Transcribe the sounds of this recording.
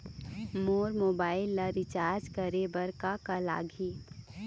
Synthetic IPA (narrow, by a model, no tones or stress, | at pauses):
moːɾmoːbaːɪlːaɾɪt͡ʃaːɾd͡ʒkəɾebɐɾkakɐla̰ːɡʱiː